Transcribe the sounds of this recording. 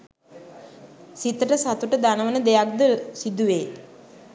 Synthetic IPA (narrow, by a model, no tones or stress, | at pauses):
sit̪əʈəsat̪uʈəd̪anəʋənəd̪ejak̚d̪əsid̪uʋeː